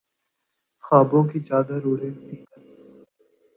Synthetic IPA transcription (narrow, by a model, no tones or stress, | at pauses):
xaːbõkit͡ʃaːd̪aɾuːɾẽt̪iːkəɾ